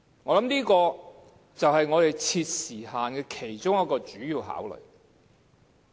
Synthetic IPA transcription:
ŋɔː˨˧lɐ˨˥mniː˥kɔː˧ | t͡sɐ˨wɦɐ˨jŋɔː˨˧ɾe˨jt͡sʰiː˧t̚siː˨˩haː˨nkɛː˧kʰe˨˩jt͡sʊ˥ŋjɐ˥t̚kɔː˧t͡ʃyː˨˥jiː˧wɦa̰ː˨˥wlɵ̰˨˩ɥ

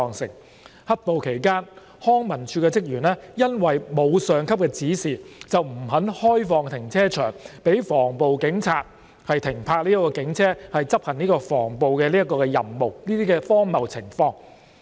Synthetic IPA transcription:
ŋsɪ̰˨˩ŋ | hɐ˥t̚po˨wkʰe˨˩jkaː˥n | hɔː˥ŋmɐ˨˩nt͡ʃʰyː˧kɛː˧t͡sɪ˥k̚jyː˨˩nlɛː˥jɐ˥nwɐ˨jmo˨˧wsœː˨ŋkʰɐ˥p̚kɛː˧t͡siː˨˥siː˨˩t͡sɐ˨wm̩˨˩ɦɐ˨˥nhɔː˥jfɔː˨˧ŋt̪ʰɪ˨˩ŋt͡sʰɛː˥t͡ʃʰœ̰ː˨˩ŋpe˨˥jfɔː˨˩ŋpo˨wkɪ˨˥ŋt͡sʰaː˧t̚ | hɐ˨jt̪ʰɪ˨˩ŋpʰaː˧k̚liː˥ɐ˥kːɔː˧kɪ˨˥ŋt͡sʰɛː˥hɐ˨jt͡sɐ˥p̚hɐ˨˩ŋniː˥kɔː˧fɔ̰ː˨˩ŋpo˨wkɛː˧liː˥ɐt̚kːɔː˧kɛː˧jɐ̰˨mmo˨wliː˥t̪iː˥kɛː˧fɔː˥ŋmɐ˨˩wt͡sʰɪ˨˩ŋfɔː˧ŋ

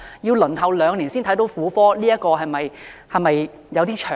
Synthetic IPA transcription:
jiː˧wlɵ˨˩nɦɐ˨˩wlœː˨˧ŋliː˨˩nsiː˥nt̪ʰɐ˨˥jt̪o˨˧˥wfuː˨˥fɔː˥liː˥jɐ˥t̚kːɔː˧ɦɐ˨jmɐ˨jhɐ˨jmɐ˨j | jɐ˨˧wt̪iː˥t͡ʃʰœː˨

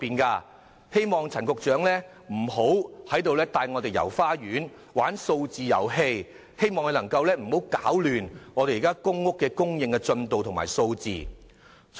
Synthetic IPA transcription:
piː˨˧nkaː˧ | he˥jmɔː˨˩ŋt͡sʰɐ˨˩nkʊ˨k̚t͡ʃœː˨˥ŋlɛː˥ | m̩˨˩ho˨˥whɐ˨˥jt̪̬o˨˧wlɛː˥t̪aː˧jŋɔ˨˧t̪e˨˩jɐ̰˨˩wfaː˥jyː˨˥n | waː˨˥nso˧wt͡siː˨jɐ̰˨˩wɦe˧j | he˥jmɔː˨˧ŋe˨˧lɐ˨˩ŋkɐ˧wlɛː˥m̩˨˩ho˨˥wkaː˨˥wlyː˨nŋɔː˨˧ɾe˨jiː˨kaː˥kʊ˥ŋːʊ˥kːɛː˧kʊ˥ŋjɪ˨˧ŋkɛ˧t͡sɵ˧nt̪o˨wt̪ʰʊ˨˩ŋma̰ː˨˩jso˧wt͡sḭː˨˩

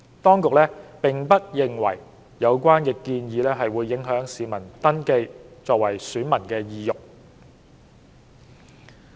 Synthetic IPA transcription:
t̪ɔː˥ŋkʊ˨k̚lɛː˥pɪ˨˩ŋpɐ˥t̚jɪ˨ŋwɐ̰˨˩j | jɐ˨˧wkʷaː˥nkɛː˧kiː˧njiː˨˧lɛː˥ɦɐ˨jwuː˨˧jːɪ˨˥ŋɦœː˨˥ŋsiː˨mɐ˨˩nt̪ɐ˥nke˧jt͡sɔː˨k̚wɐ˨˩jsyː˨˥nmɐ˨˩nkɛː˧jiː˨jʊ˨k̚

